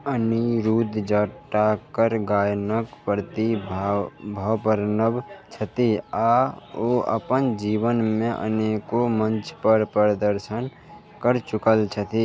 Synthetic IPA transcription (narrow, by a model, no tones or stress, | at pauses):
əniɾuːd̪d͡ʒəʈːakəɾɡaːjnəkpəɾt̪ibbʱəwpəɾnəbt͡ʃʰət̪iaːoːə̰pənd͡ʒiːʋənmẽʔə̰neːkomə̃nt͡ʃpəɾpəɾəd̪əɾʃən | kəɾt͡ʃʊkəlt͡ʃʰət̪i